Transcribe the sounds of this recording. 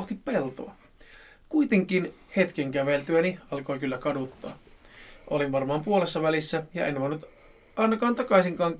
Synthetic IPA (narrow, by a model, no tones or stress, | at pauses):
ht̪ippelt̪o̰ɑ | kuit̪eŋkinhe̞t̪keŋkæʋelt̪yæniɑlko̞jkylːækɑdut̪ːɑ̰ːʔolinʋɑrmɑːmpuolesːɑʋælisːæjɑ̰ʔenːʋoinut̪ | ʔɑinɑkɑːnt̪ɑkɑisiŋkɑːŋ